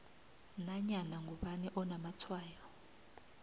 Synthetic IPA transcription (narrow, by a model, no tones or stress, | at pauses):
naɲanaŋɡʱuɓanɛʔɔnamatʰwaːjɔ